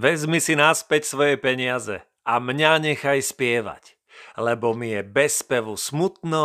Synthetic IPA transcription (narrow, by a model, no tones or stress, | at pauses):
ʋɛzmisinaspɛcsʋɔjɛpɛɲɪazɛ̰ | amɲaɲɛxajspɪɛʋa̰c | lɛbɔmijɛbɛspɛʋusmut̪nɔ